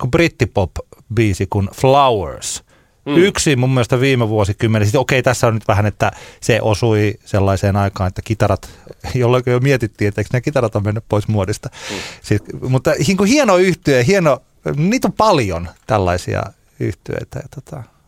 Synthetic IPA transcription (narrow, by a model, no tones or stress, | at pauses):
kubrit̪ːipopbiːsikunflɑwḛrs | yksimumːiest̪ɑʋiːmeʋuosikymːenesit̪okeit̪æsːæonnyt̪ʋæhænet̪ːæseʔosuiselːɑiseːnɑikɑːnet̪ːækit̪ɑrɑt̪jolːeikojomiet̪it̪ːiːet̪ːeiksnækit̪ɑrɑt̪ɑmmenːyppoismuodist̪ɑsiːmut̪ːɑhiːŋkuhienoːyht̪yehieno | niːt̪ompɑljo̰nt̪ælːɑ̰isḭɑ̰ | y̰ht̪yø̰it̪æ̰jɑt̪o̥t̪ɑ